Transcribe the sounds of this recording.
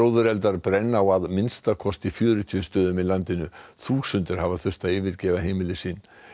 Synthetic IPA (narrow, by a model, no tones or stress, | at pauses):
oːwðʏɾɛlt̪aɾpɾɛnːaawaðmɪnst̪akʰɔst̪ifjœːɾʏt̪ʰiːʏst̪œːðʏmilant̪ɪnʏθuːsʏnt̪ɪɾ̥havaθʏr̥t̪aðɪːvɪɾcɛːvaɦeːjmɪlɪsiːn